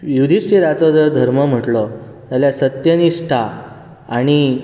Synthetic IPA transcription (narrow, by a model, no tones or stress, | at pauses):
jud̪ʱisʈiɾat͡sɔd͡zəɾd̪ʱəɾməm̤əʈlɔ | t̪aljasət̪jəniʂʈʰa | aɽ̃i